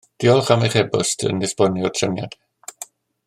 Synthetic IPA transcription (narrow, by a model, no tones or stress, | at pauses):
d̥iɔlˠχameχɛbʊstʰə̰nɪsb̥ɔniɔtʰrənja̰dɛ